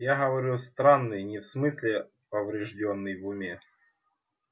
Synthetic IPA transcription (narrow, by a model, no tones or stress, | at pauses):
jaɦɐvɐɾʲust̪ɾanːɨjnʲɪfsmɨsʲlʲɪ | pɐvɾʲɪʐdʲonːɨjvʊmʲe